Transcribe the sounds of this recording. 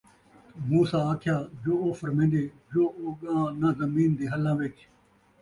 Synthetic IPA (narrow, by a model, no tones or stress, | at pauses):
muːsaːaːkʰɪjaːd͡ʒoːoːfəɾmẽːnɖ̪eː | d͡ʒoːoːɠãːnãːzəmiːnd̪eːɦəlãːʋɪt͡ʃ